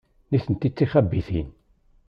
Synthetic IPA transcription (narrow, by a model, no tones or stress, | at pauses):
niθənt̪it͡sːiχæbːiθḭn